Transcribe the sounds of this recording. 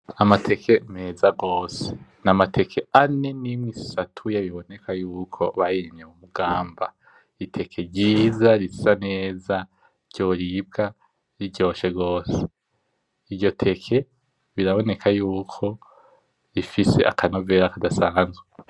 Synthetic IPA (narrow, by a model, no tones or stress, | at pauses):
amatʰe̞kʰe̞mezaɡo̞ːse̥namatʰe̞kʰe̞ane̞nimŋisatʰujaβiβo̞ne̞kʰajuːkʰo̞βajiɾimɲemumuɡaːmba | itʰe̞kʰe̞ɾɟiːzaɾisi̥sane̞ːza | ɾɟ̥o̞ːɾib̚ɡa | ɾiɟo̞ːʃe̞ɡo̞ːse̥ | ivɟo̞tʰe̞kʰe̞ | βiɾaβo̞ne̞kʰajuːkʰo̞ | ifise̞̰ʔa̰kʰanoveːɾakadasaːnzɡwe